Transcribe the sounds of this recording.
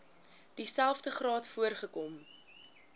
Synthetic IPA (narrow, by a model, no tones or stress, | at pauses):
d̥isælˠfdəχrɑːtfuərχəkɔm